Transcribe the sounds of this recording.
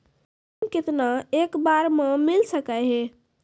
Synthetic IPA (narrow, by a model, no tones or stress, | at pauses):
kɪt̪naekbaɾmemilsəkəɦe